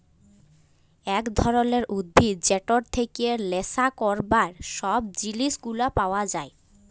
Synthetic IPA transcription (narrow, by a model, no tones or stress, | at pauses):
ɛkd̪ʱɔɾoneɾʔud̪̚bʱid͡ʑeʈoɾt̪ʰekielesakɔɾbaɾʃɔb̚d͡ʑiliʃɡulapaoad͡ʑae